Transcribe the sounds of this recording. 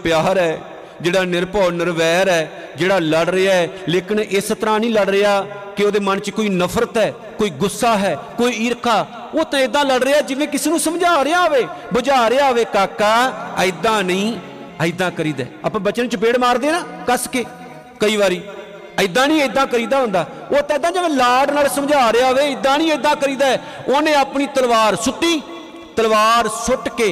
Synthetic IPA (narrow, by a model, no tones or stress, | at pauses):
pjaːɾɛː | d͡ʒeːɽaːnɪɾpɔːnəɾʋɛːɾɛː | d͡ʒeːɽaːləɽɾəaːɛleːkɪneːsət̪əɾãːnĩːləɽɾəaː | kɪoːd̪eːmənt͡ʃkoːiːnəpʰɾət̪ɦɛː | koːiːɡʊsːaːɦɛːkoːiiːɾəkʰːaː | oːt̪ãːed̪ãːləɽɾəaːd͡ʒɪʋẽːkɪseːnũːsəmd͡ʒaːɾejaːʋeːbʊd͡ʒaːɾeːaːʋeːkaːkːaːəɪd̪ãːnəĩː | əɪd̪ãːkəɾiːd̪ḛːa̰pːbət͡ʃənt͡ʃbeːɽmaːɾd̪eːnaːkəskeː | kəiːʋaːɾiː | əɪd̪ãːnəĩːəɪd̪ãːkəɾiːd̪aːɦʊ̃ːnd̪aː | oːt̪ãːɪd̪ãːd͡ʒɪʋẽːlaːɖnaːlsəmd͡ʒaːɾeaːɦoʋeːɪd̪ãːnĩːəɪd̪ãːkəɾiːd̪aːɛː | oːnẽːaːpniːt̪əlʋaːɾsʊʈːiː | t̪əlʋaːɾsʊʈkeː